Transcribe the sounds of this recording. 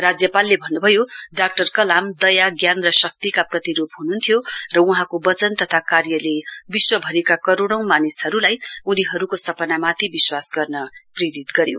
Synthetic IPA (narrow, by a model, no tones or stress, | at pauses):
rad͡zjʌpalːebʱʌnːubʱʌjoɖak̚ʈʌrkʌlamd̪ʌjaɡjanrʌsʌk̚t̪ikaprʌt̪iɾobɦununt̪ʰijorʌuɦãkobʌt͡sʌnt̪ʌt̪ʰakarjʌlebiswʌbʱʌɾekakʌɾoɽ̃ʌ̃w̃manishʌɾulajuniɦʌɾukosʌpʌnamat̪ʰibiswasɡʌrnʌpriɾit̪ɡʌɾjo̰